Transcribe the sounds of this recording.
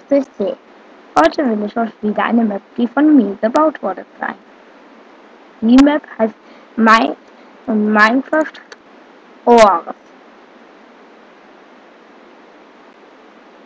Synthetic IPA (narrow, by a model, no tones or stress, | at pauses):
t͡sɪçz̥eː | hɔʏtʰəvɪlɪçoçv̥iːdɐʔa̰ɪnəmɛp̚d̥iːfɔnmiːɐɡəbaʊtv̥ɔɐdəza̰ɪ | d̥iːmɛphaɪst | maɪns | ʊntmaɪnkʁ̥aft | ʔoʁs